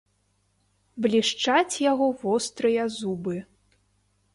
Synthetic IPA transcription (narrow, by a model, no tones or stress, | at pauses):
blʲiʂt͡ʂat͡sʲjaɣɔvɔst̪ɾɨjɐzubɨ